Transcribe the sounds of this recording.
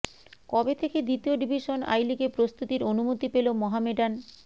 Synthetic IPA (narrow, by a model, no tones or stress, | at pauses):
kɔbet̪ʰeked̪it̪ioɖibʱiʃona̰jlikepɾost̪ut̪iɾonumot̪ipelomɔɦameɖan